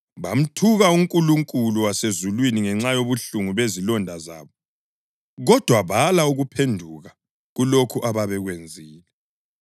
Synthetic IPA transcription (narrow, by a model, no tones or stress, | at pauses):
βa̰m̩tʰuɣauŋkʼuluŋkʼuluwasezulwiniŋɛŋ͡ǁajoβuɬuŋuβezilɔndʱaza̰ːβɔ | ɣɔd̥ʱwaβalauɣupʰendʱuɣa | ɣulokʰuʔaβaβɛɣwend͡zʱiːlɛ